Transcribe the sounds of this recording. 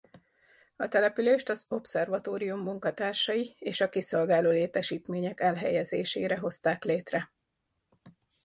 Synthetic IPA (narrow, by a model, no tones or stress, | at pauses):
ɒt̪ɛlɛpyleːʃt̪ɒzo̞psɛrvɒt̪oːɾijumːuŋkɒt̪aːrʃɒjieːʃɒkiso̞lɡaːloːleːt̪ɛʃiːt̪meːɲɛkɛlɦɛjɛzḛːʃḛːɾɛɦo̞st̪aːkleːt̪rɛ